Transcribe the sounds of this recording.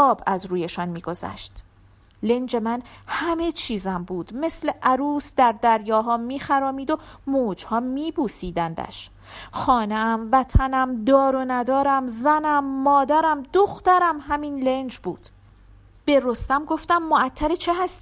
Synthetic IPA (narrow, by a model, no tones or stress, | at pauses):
ɒːbæzɾuːjeʃɒːnmiːɡo̞zæ̰ʃt̪ | le̞nd͡ʒe̞mænhæme̞t͡ʃʰiːzæmbuːd̪̥me̞sle̞ʔæɾuːsd̪æɾd̪æɾjɒːɦɒːmiːxæɾɒːmiːd̪o̞moːd͡ʒhɒːmiːbuːsiːd̪ænd̪æ̰ʃ | xɒːneæmvæt̪ʰænæmd̪ɒːɾonæd̪ɒːɾæmzænæmːɒːd̪æɾæmd̪oxt̪æɾæmɦæmiːnlend͡ʒbuːd̪̥ | b̥e̞ɾo̞st̪æmɡo̞ft̪æmːoæt̪ʰːæɾet͡ʃʰeɦæst̪ː